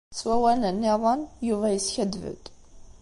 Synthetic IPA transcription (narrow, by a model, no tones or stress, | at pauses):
t͡sːwæwælənːɪðˤənjuvæjəsçæd̪və̰d̪